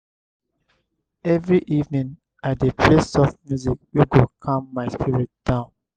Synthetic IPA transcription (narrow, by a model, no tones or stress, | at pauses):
ɛvɹiʔivnĩŋ | adepʰlesɔθmjuzik̚juɡokʰɔ̃mːaɪspiɹit̚d̥ãʊ̃n